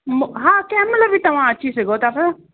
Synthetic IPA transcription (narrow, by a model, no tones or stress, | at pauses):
mɦãːkɛ̃ːmɐləbʱit̪ɐʋ̤ãɐtːʃʰisɐɡot̪aːfə